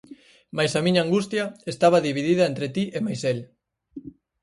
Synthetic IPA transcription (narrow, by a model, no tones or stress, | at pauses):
majsɐmiɲaːŋɡust̪jɐest̪aβ̞ɐðiβiðiðɐent̪ɾet̪iʔemajsel